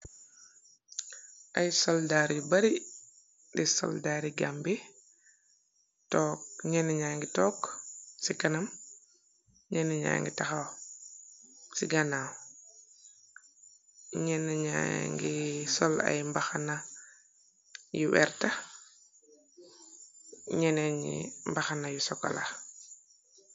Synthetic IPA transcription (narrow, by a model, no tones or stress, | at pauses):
ʔajsɔldaːɾibaɾi | disɔ̰ldaːɾiɡambi | tɔːk̚ɲɛnɛɲaːŋɡitɔːksikanɐm | ɲɛnɛɲa̰ːjŋɡḭtaxaw | siɡanaw | ɲɛnɛɲa̰ŋɡisɔla̰jmbaxana | juwɛ̰ɾta | ɲɛnɛɲḭmbaxanajusɔka̰la̰